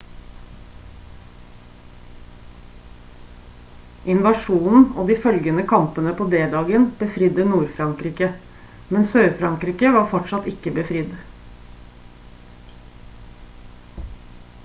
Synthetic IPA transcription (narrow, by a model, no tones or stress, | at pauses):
ʔɪnʋɑʃuːnn̩oːd̪iːfœlɡənəkʰɑmpənəpʰoːd̪eːd̪ɑːɡənb̥əfɾɪd̪ənuːɾfɾɑŋkɾiːkə | mɛnsøːɾfɾɑŋkɾiːkəʋɑːɾfɔʈʃɑt̪ɪkəbəfɾɪd̪